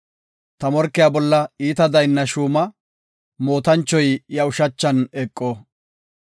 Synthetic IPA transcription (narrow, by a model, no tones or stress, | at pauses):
t̪ɐmɔɾkːɪjaːbɔlːɐiːt̪ɐd̪ɐjnːɐʃuːmɐ | mo̞ːt̪ɐnt͡ʃːɔjjɐʊʃɐt͡ʃːɐnɛkʼːo